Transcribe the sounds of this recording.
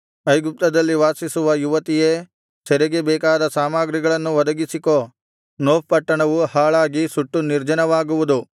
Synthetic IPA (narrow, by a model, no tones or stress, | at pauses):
ɐjɡup̚t̪ɐd̪ɐlːiʋaːsisuʋɐjuʋɐt̪ijeː | sɛɾɛɡebɛːkaːd̪ɐsaːmaːɡɾiɡɐɭɐnːuʋɐd̪ɐɡisiko̞ː | noːppɐʈːɐɳɐʋuhaːɭaːɡisuʈːuniɾd͡ʒɐnɐʋaːɡuʋud̪u